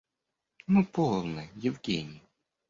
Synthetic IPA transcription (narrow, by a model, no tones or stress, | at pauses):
nupolˠnɨjɪvɡʲenʲɪj